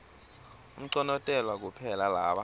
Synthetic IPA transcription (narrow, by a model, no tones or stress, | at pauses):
um̩ǀɔnɔtʼɛlwak̬upʰɛlalaːɓa